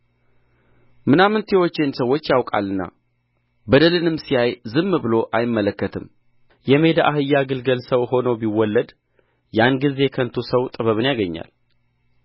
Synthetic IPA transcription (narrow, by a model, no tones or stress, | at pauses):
mɨnamɨnt̪ʰjewot͡ʃːe̞nsəwːo̞t͡ʃːjawkʼa̰lːɨnːa̰ | bəd̪əlɨnɨmsijajzɨmːbɨlo̞ʔajɪmːələkːət̪ʰɨm | jɛme̞d̪aʔahɨjːaɡɨlɡəlsəwho̞nəwbiwːɔlːəd̪ | janɡize̞kʰənt̪ʰusəwt̪ʼɨβəβɨnjaɡəɲːa̰l